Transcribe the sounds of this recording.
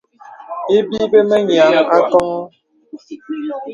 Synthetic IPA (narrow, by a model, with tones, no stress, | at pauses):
e˦bi˦be˦mə˦ɲ˨a˨˦ŋa˦kɔ˦ŋɔ˦